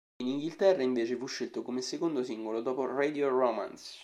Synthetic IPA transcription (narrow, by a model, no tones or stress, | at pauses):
iniŋɡilt̪ɛrːaiɱveːt͡ʃefuʃːelt̪okomesːekond̪osiŋɡolod̪ɔːpored̪ioroma̰ns